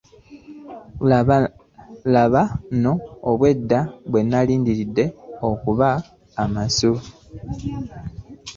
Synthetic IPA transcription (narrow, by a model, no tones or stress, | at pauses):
laβano̞ːβwe̞dːaβwe̞nːaliːndiɾidːe̞o̞kuβaː | masu